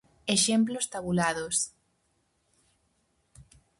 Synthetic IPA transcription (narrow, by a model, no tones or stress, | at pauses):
eʃemplost̪aβulaðos